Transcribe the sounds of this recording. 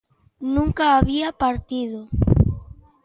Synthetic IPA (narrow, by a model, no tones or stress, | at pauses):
nũŋkaːβiapaɾt̪iðo